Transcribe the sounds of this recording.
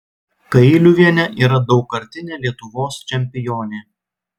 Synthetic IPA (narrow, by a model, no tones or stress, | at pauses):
kɐɪlʲuːʋʲiɛnʲɛʔiːɾɐd̪ɒʊkɐɾʲt̪ʲɪnʲeːlʲiɛt̪ʊʋoːst͡ʃʲɛmʲpʲɪjoːnʲeː